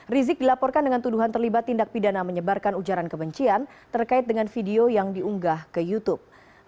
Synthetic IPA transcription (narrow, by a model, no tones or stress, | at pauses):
rizɪk̚dilapɔrkandəŋant̪uduɦant̪ərlibat̪ːindak̚pidanaməɲəbarkanud͡ʒaɾankəbəɲt͡ʃiant̪ərkaɪt̪̚dəŋanfideojaŋdiuŋɡahkəjut̪up̚